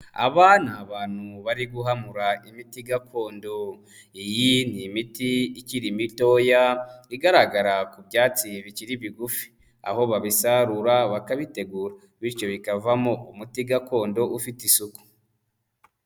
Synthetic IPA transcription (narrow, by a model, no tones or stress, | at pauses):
a̰βanaːβaːn̥huβaɾiɡuɦamuɾaimitiɡakʰo̞ːndo̞ | ijinimitiiciɾimito̞jaiɡaɾaɡaɾakubɟaːt͡siβiciɾiβiɡufi̥ | a̰ho̞βaβisaɾuɾaβakaβite̞ɡuːɾa | βiɾt͡ʃo̞βikavamoʔumutiɡako̞ːndo̞ʔufitisuku̥